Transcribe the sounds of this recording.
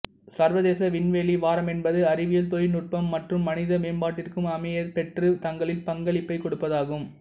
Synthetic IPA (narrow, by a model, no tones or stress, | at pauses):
sɐɾʋɐðeːsɐʋɪnʋeːliʋaːɾɐmɛnbɐðɯɐɾɪʋɪjɐlt̪ojnʊʈ̚pɐmːɐʈrɯmːɐnɪðɐmeːnbaːʈːɪrkɯmɐmɐjɐɾpɛʈrɯt̪ɐŋɡɐɭɪlpɐŋɡɐɭɪpːɐɪkɔɽɯpːɐðaːɣɯm